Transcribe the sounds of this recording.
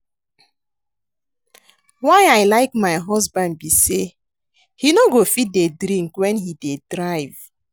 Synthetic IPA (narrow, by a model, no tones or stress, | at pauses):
waɪaɪlaɪkmaɪɦɔzbãnd̚bise | hinoɡofit̚dedɾĩŋkwɛ̃nhidedɾaɪv